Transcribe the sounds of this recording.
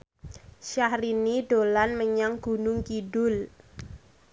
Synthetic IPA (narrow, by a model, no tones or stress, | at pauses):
ʃahɾiniɖ̥olanməɲaŋɡ̥ṳnʊŋkiɖʊl